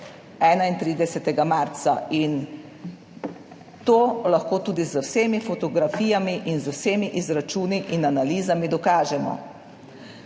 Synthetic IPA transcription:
ɛːnaint̪ɾiːd̪ɛsɛt̪ɛɡamaɾt̪sain | t̪oːlaxkoːt̪uːd̪izəwseːmifɔt̪ɔɡɾafiːjamiʔinzəwseːmiʔizɾat͡ʃuːniʔinanaliːzamid̪ɔkaːʒɛmɔ̰

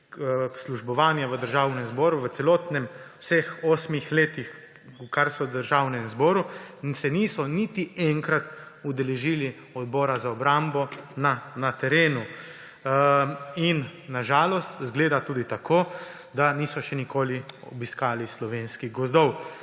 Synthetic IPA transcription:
sluʒbɔʋaːnjaʋəd̪əɾʒaːwnɛmzbɔːɾuʋətsɛlɔːt̪nɛmwsɛxoːsmixleːt̪ix | ukaɾsɔd̪əɾʒaːwnɛmzbɔːɾusɛniːsɔnit̪iɛŋkɾat̪ud̪ɛlɛʒiːli | ɔd̪̚bɔːɾazaɔbɾambɔnanat̪ɛɾeːnu | inːaʒaːlɔst̪zɡleːd̪at̪uːd̪it̪akʰoː | d̪aniːsɔʃɛnikoːliɔbiskaːlislɔʋeːnskiɣɡɔzd̪ɔw

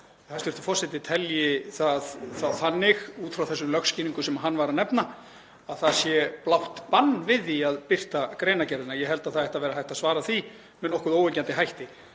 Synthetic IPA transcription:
θast̪ʏɾ̥t̪ɪ̥fɔrsɛt̪ɪt̪ʰɛljɪθaðθaðθanːɪxuːt̪fɾawθɛsːʏlœxscɪːniŋkʏsɛmaɦanːvaɾanɛpna | aðθaðsjɛplawht̪panːvɪðiaðpɪr̥t̪akɾeːjnacɛɾðɪnajɛɦɛlt̪aðθaðɛjht̪avɛːɾaɦajht̪asvaːɾaθi | mɛnɔhkʏðoːwɛɲcant̪ɪɦajht̪ɪ

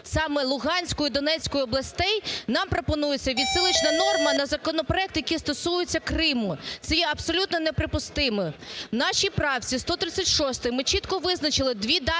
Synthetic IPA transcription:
sɑmɛlˠʊɦɑnʲsʲkɔjʊd̪ɔnɛt͡sʲkɔjʊɔblˠɐsʲt̪ɛjnɑmpɾɔpɔnujet͡sʲːɐʋʲid̪sɪlˠɪt͡ʃnɐnɔrmɐnɐzɐkɔnɔpɾɔɛkt̪jɐkʲist̪ɔsujʊt͡sʲːɐkɾɪmʊt̪sɛjɛɐpsɔlʲut̪nɔnepɾɪpʊst̪ɪmɔnɑʃʲipɾɑwt͡sʲist̪ɔt̪ɾɪt͡sʲːɐtʲʃɔst̪ɪmɪt͡ʃit̪kɔʋɪznɐt͡ʃɪlˠɪd̪ʋʲid̪ɑ

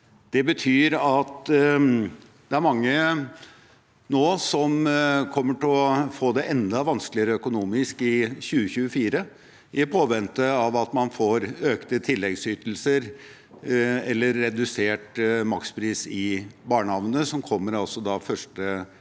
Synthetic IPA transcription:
d̪̥ɛbət̪ʰyːɾɑt̪ | d̪̥ɛæɾmɑŋːə | noːsɔmkʰɔmːəʈʰɪɔfoːd̪ɛʔɛnd̪ɑʋɑnsklɪəɾəœkʊnuːmɪskɪçʉːəçʉːəfiːɾə | ɪpʰoːʋɛnt̪əɑʋɑt̪mɑnfoːɾøːkt̪ət̪ʰɪlːɛɡsyːt̪l̩səɾ | ɛlːəɾːɛd̪ʉseːʈmɑkspʰɾiːsɪbɑːɳəɑʋnəsɔmkʰɔmːəɾɑlsɔd̪ɑːfœʂʈə

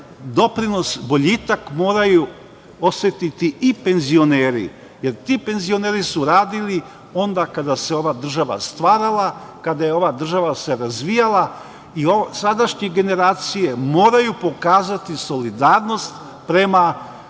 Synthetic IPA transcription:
d̪o̞pɾino̞sbo̞ʎit̪akmo̞ːɾaju | o̞sʋe̞t̪it̪itʔipe̞nzio̞neːɾḭ | je̞ɾt̪ipe̞nzio̞neːɾisuɾaːd̪ili | o̞nd̪akad̪ase̞o̞ʋad̪r̩ʒaʋa̰st̪ʋaːɾalˠa | kad̪aje̞o̞ʋad̪r̩ʒaʋase̞ɾazʋijalˠa | iosad̪aʃɲeɡe̞ne̞ɾaːt̪sijemo̞ːɾajupo̞kaːzat̪iso̞lid̪aːɾno̞st̪ | pɾe̞ma

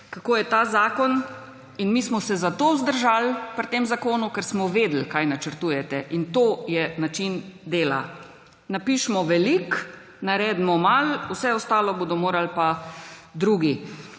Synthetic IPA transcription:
kakoːjɛt̪aːzaːkɔn | inmiːsmɔsɛzat̪oːzd̪əɾʒalpɾt̪eːmzakoːnukɛɾsmɔʋeːd̪l̩kajnat͡ʃəɾt̪uːjɛt̪ɛʔint̪oːjɛnat͡ʃind̪eːla̰ | napiːʃmɔʋɛlik | naɾɛːd̪mɔmalusɛɔst̪aːlɔboːd̪ɔmoːɾalpad̪ɾuːɡi

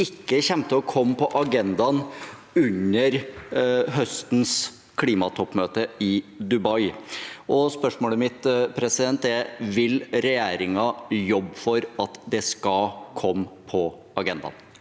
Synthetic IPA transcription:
ɪkːəçɛmt̪əɔkʰɔmːpɔʔɑɡɛnd̪ɑn | ʉɲəɾ | ɦœst̪n̩s | kʰliːmɑt̪ʰɔpːmøːt̪əɪd̪ʉbɑɪʔɔspœʂmoːləmɪt̪pʰɾɛsɪd̪ɛnt̪ɛʋɪlɾɛjæːɾɪŋɑjɔbːfɔɾɑt̪d̪ɛskɑkʰɔmːpʰɔ | ɑɡɛnd̪ɑ̰n

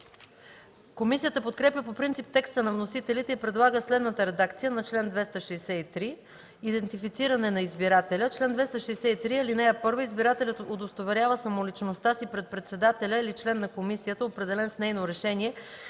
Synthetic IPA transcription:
komisijət̪əpot̪kɾɛpjʲəpopɾint̪ip̚t̪ɛkst̪ənɐvnosit̪ɛlit̪ɛipɾɛd̪lˠaɡəslɛd̪nət̪əɾɛd̪akt̪sijənɐt͡ʃlɛnd̪vɛst̪əʃɛjsɛit̪ɾi | id̪ɛnt̪ifit̪siɾɐnɛnɐizbiɾat̪ɛlʲət͡ʃlɛnd̪vɛst̪əʃɛːsɛit̪ɾiɐlinɛjəpɤɾvoizbiɾat̪ɛlʲɛt̪od̪ost̪ovɛɾʲjavəsɐmolit͡ʃnost̪asipɾɛt̪̚pɾɛt̪sɛd̪at̪ɛlʲəilit͡ʃlɛnːɐkomisijət̪əopɾɛd̪ɛlɛnsnɛjnoɾɛʃɛniɛ

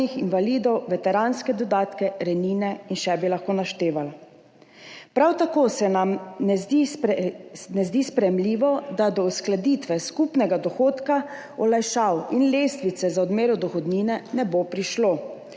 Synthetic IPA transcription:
ixinʋaliːd̪ɔwʋɛt̪ɛɾanskɛd̪ɔd̪aːt̪kɛɾɛniːnɛinʃɛbilaxkoːnaʃt̪eːʋal | pɾawt̪akoːsɛnamnɛ | nɛzd̪iːspɾɛjɛmliːʋɔd̪ad̪ɔusklad̪it̪ʋɛskupnɛɡad̪ɔxoːt̪ka | ɔlajʃawinleːst̪ʋit̪sɛzaɔd̪meːɾɔd̪ɔxɔd̪niːnɛnɛbopɾiʃlo

